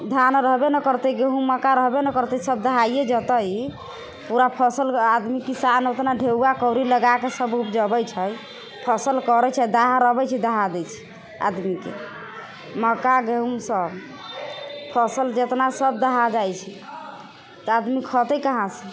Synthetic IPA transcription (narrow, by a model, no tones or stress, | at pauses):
d̪ʱanɾəɦbenəkəɾt̪eɡeɦumːəkaɾəɦbenəkəɾt̪ɛsəbd̪əɦaijed͡ʒət̪əj | puɾapʰəsəlad̪mikisanot̪naɖʱeuakəwɾiləɡakesəbupd͡ʒəbɛjt͡ʃʰəj | pʰəsəlkɔɾɛt͡ʃʰɛd̪aɦaɾəɦbɛt͡ʃʰɛd̪əɦad̪ɛt͡ʃʰi̥ | a̰d̪mikḛ | məkaɡeɦumsəb | pʰəsəld͡ʒet̪nasəb̚d̪əɦad͡ʒajt͡ʃʰi | t̪ad̪mikʰɔt̪əkəɦãsə